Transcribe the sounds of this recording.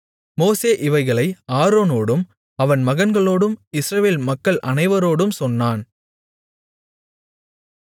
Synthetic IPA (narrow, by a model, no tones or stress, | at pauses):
moːseːʔɪʋɐɪɣɐɭɐɪaːɾoːnoːɽɯm | ɐʋɐnmɐɣɐnɡɐɭoːɽɯmɪsɾɐʋeːlmɐkːɐɭʔɐnɐɪʋɐɾoːɽɯmsɔnːaːn